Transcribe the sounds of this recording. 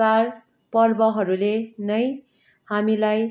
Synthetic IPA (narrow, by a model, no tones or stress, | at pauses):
ar | pʌrbʌɦʌɾulenʌj | hamilaj